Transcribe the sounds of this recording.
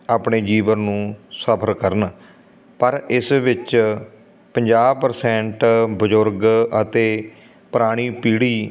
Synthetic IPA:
aːpɳeːd͡ʒiːʋənnũːsəpʰəɾkəɾən | pəɾɪsʋɪt͡ʃ | pəɲd͡ʒaːbpəɾsɛ̃ːɳʈbəd͡ʒʊɾɡət̪eː | pəɾaːɽ̃iːpiːɽiː

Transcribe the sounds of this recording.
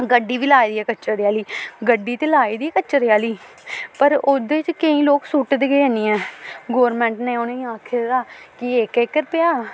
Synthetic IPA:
ɡəɖːiːʋiːlaːid̪iːɛːkət͡ʃəɾɪjaːliːɡəɖːiːt̪eːlaːiːd̪iːɛːkət͡ʃəɾɪjaːliː | pəɾoːd̪eːt͡ʃkəĩːloːksuːʈd̪eːɡəːɛːniːɛːɡoːɾmɛ̃ːɳʈnẽːonẽĩːaːkʰed̪aːkɪekekːəɾpɪjaː

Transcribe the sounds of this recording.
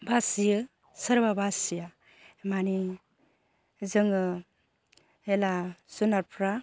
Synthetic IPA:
basijɯ | səɾbabasija | mani | zɯŋɯ | elasunaɾpʰɾa

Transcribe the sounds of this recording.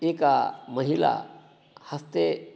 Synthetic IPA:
ekaməɦila̰ | həst̪e

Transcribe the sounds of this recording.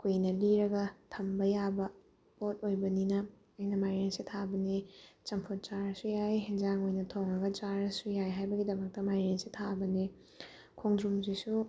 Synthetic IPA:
kʰujnɐliɾɐɡɐtʰɐmbɐjabɐ | pot̚ojbɐninɐ | ɐjnɐmajɾensitʰabɐnit͡ʃɐmpʰot̚t͡ʃaɾɐsujajɦend͡ʒaŋojnɐtʰoŋɾɐɡɐt͡ʃaɾɐsujajɦajbɐɡidɐmɐk̚tɐmajɾensitʰabɐni | kʰoŋdɾumzisu

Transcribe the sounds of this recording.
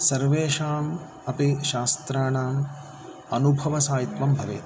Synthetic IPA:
sɐɾʋeːʃaːm | ɐpiʃaːst̪ɾaːɳaːm | ɐnubʱɐʋɐsaːjit̪ʋɐmbʱɐʋeːt̪

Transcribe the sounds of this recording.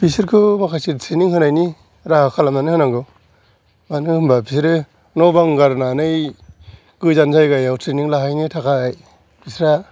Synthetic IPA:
pʰisiɾkʰɯmakʰajsitʰɾiniŋhɯnajni | ɾahakʰalamnanɯhɯnaŋɡɯ | manɯhɯmbapʰisɾɯ | nɔbaŋɡaɾnanɯj | ɡ̥ɯzanzajɡajawtʰɾiniŋlaɦajnɯtʰakaːj | pisɾa

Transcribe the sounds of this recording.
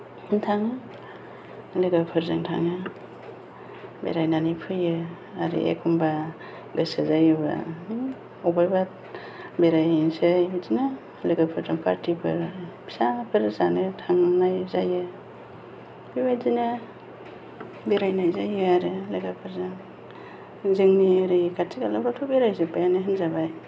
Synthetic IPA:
ntʰaŋɯ | leɡapʰɯɾzɯŋtʰa̰ŋɯ | bḛɾajnanijpʰɯjɯ | aɾḭʔḛkʰumba | ɡɯsɯzajɯba̰ | ɔbajba | beɾajnsɯbizina | leɡapʰɯɾzaŋpʰa̰ɾtʰipʰɯ̰ɾbisapʰɯɾzanɯtʰaŋnajzajɯ | bibazina | beɾajnajzajɯaɾɯleɡapʰɯɾzaŋ | zɯŋniaɾikʰattʰiɡalabɾatʰubeɾajzɯpʰajanɯɦɯnzabaj

